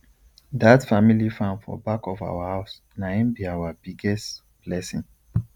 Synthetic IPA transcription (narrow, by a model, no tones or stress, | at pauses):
datfamilifãnfɔ̰bakɔfa̰wahaʊs | naɛ̃nbiawabiɡɛst | b̥lɛsĩn